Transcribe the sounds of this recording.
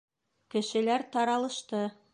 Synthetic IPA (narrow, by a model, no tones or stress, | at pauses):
kɘ̆ʃɘ̆læɾt̪ɑɾɑlˠɤ̆ʃt̪ɤ